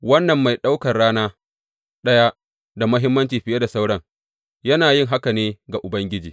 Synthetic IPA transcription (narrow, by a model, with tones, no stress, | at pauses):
wɐ˦nːɐ˨mːa˨jɗa˦wkɐ˨rɽaː˦naː˦ | ɗɐ˦jaː˦ | da˨mʊ˦ɦɪ˦mːɐ˦nt͡ʃiː˨ɸɪ˨ja˦da˨sa˦wɽɐ˦ŋ | jɐ˦naː˨jɪ˦ŋɦa˦ka˨neː˦ɡa˨ʔʊ˨bɐ˦ŋɡʲɪ˦d͡ʒiː˨